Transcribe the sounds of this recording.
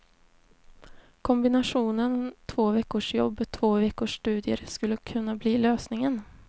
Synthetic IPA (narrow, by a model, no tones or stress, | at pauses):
kʰɔmbɪnaʂuːnənt̪ʰvoːvɛkːʊʂjɔ̰bːɔt̪ʰvoːvɛkːʊʂːt̪ʉ̟ːd̪ɪə̰ɾskɵlːəkʰɵnːabliːløːsnɪŋən